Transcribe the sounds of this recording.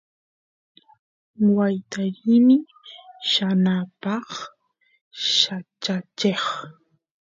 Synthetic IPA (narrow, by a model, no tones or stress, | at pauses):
wajt̪aɾimɪ | ʃanapɑχ | ʃat͡ʃat͡ʃeχ